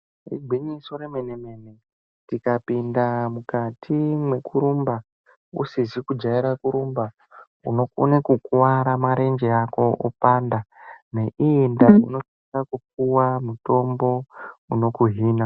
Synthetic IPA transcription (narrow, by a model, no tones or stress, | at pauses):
rḭɡʱwiɲiso̞ɾemeneme̞ne̞ | tikapindamukatʰimwe̞kuɾumba | usizikud͡ʒaiɾakuɾumba | uno̞ko̰nekukuwaɾamaɾe̞nd͡ʒeako̞ʔopaːndane̞ʔindauno̞t͡ʃekakup͡fuwamuto̞mbo̞uno̞kuɦiːna